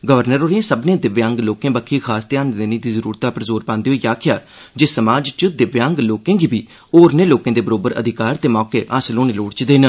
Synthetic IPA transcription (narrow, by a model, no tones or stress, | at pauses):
ɡəʋəɾnəɾoːɾiẽsəbnẽːd̪ɪʋjãːŋɡloːkẽːbəkʰːiːkʰaːst̪jaːnd̪eːnĩːd̪iːzəɾuːɾt̪aːpəɾzoːɾpãːnd̪iːɦoiːaːkʰɪjaː | d͡ʒeːsəmaːd͡ʒt͡ʃəd̪ɪʋjãːŋɡloːkẽːɡiːbiː | oːɾneːloːkẽːd̪eːbəɾoːbəɾə̰d̪ʱɪkaːɾt̪eːmɔːkeːʔaːslõːneːloːɽt͡ʃd̪eːn